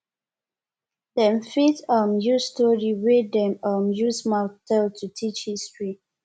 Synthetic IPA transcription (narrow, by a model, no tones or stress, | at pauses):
dɛ̃mfitɔmjustɔɹiɹedɛ̃mɔmjusmatɛltʰutʰit͡ʃhistɹi